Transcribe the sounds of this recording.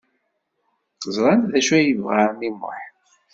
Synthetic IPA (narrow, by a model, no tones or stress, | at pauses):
zˤɾˤɑnðæʃæjəvʁamimːo̰ħ